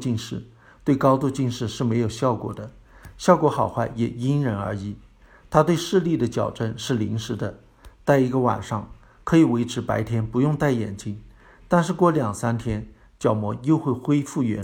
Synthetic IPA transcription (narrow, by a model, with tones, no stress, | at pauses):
t͡ɕi˥˧nʂɻ̩˥˩ | t̪we˥˩ɪkɑ˥ʊt̪u˥˧t͡ɕi˥˧nʂɻ̩˥˧ʂɻ̩˥˩me˧˥ɪjo˨˩ʊɕjɑ˥˩ʊkwɔ̰˨˩d̪ə˦ | ɕjɑ˥˩ʊkwɔ˧˥xɑ˨˩ʊxwa˥˩ɪjɛ˨˩i˥nɻə˧˥nə̰˞˧˥i˧˩˥ | t̪ʰa˥t̪we˥˧ɪʂɻ̩˥˧li˥˩d̪ə˩t͡ɕjɑ˨˩ʊʈ͡ʂə˥˧nʂɻ̩˥˩li˧˥ŋʂɻ̩˧˥d̪ə˧ | t͡sa˥˩ɪi˧˥ɡə˧wa̰˨˩nʂɑ˥˩ŋ | kʰɤ˧˥i˨˩we˧˥ɪʈ͡ʂʰɻ̩˧˥pa˧˥ɪt̪ʰjɛ˥npu˧˥jʊ˥˧ŋt̪a˥˩ɪjɛ̰˨˩nt͡ɕi˥ŋ | t̪a˥˧nʂɻ̩˥˧kwɔ˥˩ljɑ˨˩ŋsa˥nt̪ʰjɛ˥n | t͡ɕjɑ˨˩ʊmwɔ˧˥jo˥˧ʊxwe˥˩ɪxwe˥ɪfu˥˩ɥɛ̰˧˥